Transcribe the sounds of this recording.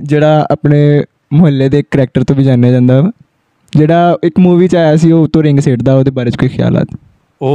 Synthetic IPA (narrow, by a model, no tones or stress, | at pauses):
d͡ʒeːɽaːa̰ːpneː | mʊɦəlːeːd̪eːkːɾɛːk̚ʈəɾt̪õːʋiːd͡ʒãːnjaːd͡ʒãːnd̪aː | d͡ʒeːɽaːɪkmuːʋiːt͡ʃaːaːsiːoːʊt̪õːɾɪ̃ŋɡseːʈd̪aːoːd̪eːbaːɾeːt͡ʃkoːiːxʰja̰ːla̰ːt̪ː